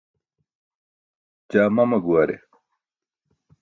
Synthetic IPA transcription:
d͡ʑaːmɐmɐɡuɐɾḛ

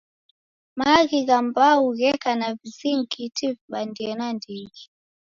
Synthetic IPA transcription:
maɣiɣambauɣɛkanaviziŋkitivɓandiɛnandiɣi

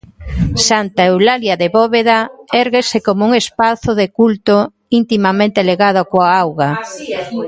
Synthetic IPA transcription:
sant̪aewlaljaðeβɔβeðaɛɾɣesekomouŋespaθoðekult̪o | int̪imamẽnt̪eleɣað̞okoaawɣa

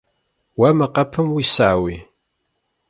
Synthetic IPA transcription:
wæməqːapːəmwisaʕwi

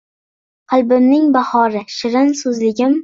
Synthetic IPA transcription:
qʰɨlˠbɪmnɪŋbahɒɾɪʃɪɾɪnsɵzlɪɡʲɪm

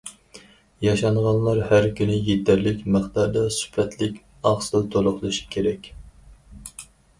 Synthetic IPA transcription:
jɑʃɑɴʁɑnlˠɑɾhæɾkʲynɪjet̪ʰæɾlɪkʲmæχt̪ɑɾd̪ɑsy̥pʰɛt̪ʰlɪkʲ | ɑχslt̪ʰoɾʊχlˠɨʃi̥kʲʰeɾɛkʲ

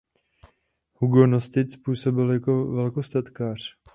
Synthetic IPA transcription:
huɡonost̪ɪt̪spuːso̞bɪljako̞vɛlkost̪at̪kaːr̝̥

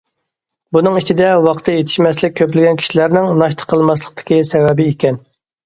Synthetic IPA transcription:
bunɨŋit͡ʃʰid̪ɛwɑqʰə̥t̪ʰɨjet̪ʰɪ̥ʃmɛslɪk̚ʲʰːøplɪɡʲɛnkʲʰi̥ʃilæɾnɪŋnɑʃt̪ʰə̥qʰːəlˠmɑslˠəq̚t̪ʰɪ̥kʲisɛvɛbɪikʲɛn

